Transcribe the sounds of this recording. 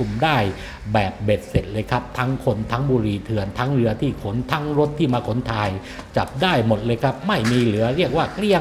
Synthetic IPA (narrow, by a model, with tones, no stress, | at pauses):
u˨˩mdaː˥˩j | bɛː˨˩p̚be˨˩t̪̚se˨˩t̪̚lɤː˧jkʰa˦˥p̚t̪ʰa˦˥ŋkʰo˧nt̪ʰa˦˥ŋbuː˧ɾiː˧t̪ʰɯ˧˩ənt̪ʰa˦˥ŋɾɯ˧ɐt̪ʰiː˥˩kʰo˩˦nt̪ʰa˦˥ŋɾo˦˥t̪ʰːiː˥˩maː˧kʰo˩˦nt̪ʰaː˧j | t͡ɕa˨˩p̚daː˥˩jmo˨˩t̪̚lɤː˧jkʰa˦˥p̚ma˥˩jmiː˧lɯ˩˦ɐɾi˥˩ək̚waː˥˩kli˥˩ə